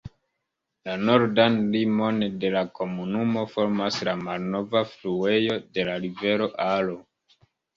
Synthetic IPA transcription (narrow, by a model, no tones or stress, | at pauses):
lano̞ɾdanlimo̞nde̞lako̞munumo̞fo̞ɾmaslamalno̞vaflue̞jo̞de̞laɾive̞ɾo̞ʔalo